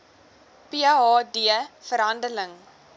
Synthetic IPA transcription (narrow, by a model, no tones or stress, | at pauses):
piɑːdiəfəɾɦɐndələŋ